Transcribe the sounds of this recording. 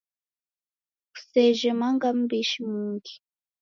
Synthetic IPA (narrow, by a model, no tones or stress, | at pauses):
ku̥sɛʒɛmaŋɡam̩biʃimuŋɡi̥